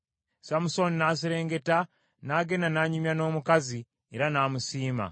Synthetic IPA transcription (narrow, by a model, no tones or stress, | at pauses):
samuso̞ninaːs̬iɾe̞ːŋɡe̞ta | naɡe̞nanaːɲumjano̞ːmukazi | eɾanaːmusiːma̰